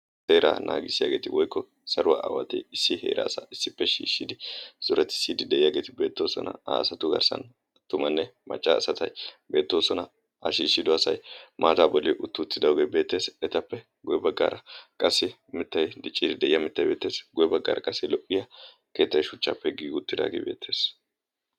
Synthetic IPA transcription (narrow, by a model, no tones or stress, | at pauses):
seːɾa̰ːnʔa̰ːɡɪsːɪja̰ːɡe̞ːt̪ɪwɔjkːɔ | sɐɾʊwa̰ʔawɐt̪ɛɪsːɪhe̞̰ːɾa̰ːsɐ̰ʔɪsːɪpːɛʃḭːʃːɪd̪ɪsʊɾɛt̪ːɪ̥siːd̪ɪd̪ɛʔɪjaːɡe̞ːt̪ɪbe̞ːt̪ːo̞ːsɔ̰nɐ̰a̰ːsɐt̪ʊɡɐ̰ɾsɐ̰n | t̪ːʊmɐnːɛmɐ̰t͡ʃʼːa̰ːsɐt̪ɐjbe̞ːt̪ːo̞ːsɔnɐ | ɐ̰ʃiːʃːɪd̪ʊɐsɐ̰jmʔaːt̪aːbɔlːɪʔʊt̪ːʊt̪ːɪd̪ɐwɡeːbe̞ːt̪ːe̞ːsɛt̪ɐpːɛ | ɡʊjɛbɐɡːa̰ːɾɐkʼɐsːɪ | mɪt̪ːɐjd̪ɪt͡ʃʼːɪd̪ɪd̪ɛʔɪjɐmɪt̪ːɐjbe̞ːt̪ːeːsɡʊjɛbɐɡːa̰ːɾɐkʼɐsːɪlɔʔʼɪjɐ | keːt̪ːɐjʃʊt͡ʃːapːɛɡiːɡʊt̪ːɪd̪a̰ːɡe̞̰ːbe̞ːt̪ʰːe̞ːs